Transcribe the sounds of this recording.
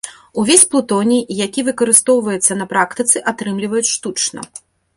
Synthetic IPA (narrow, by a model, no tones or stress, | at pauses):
uvʲesʲplˠut̪ɔnʲijakʲivɨkɐɾɨst̪ɔwvɐjɛt̪sːɐnɐpɾakt̪ɨt̪sɨʔat̪ɾɨmlʲivɐjut͡sʲʂt̪ut͡ʂnɐ̰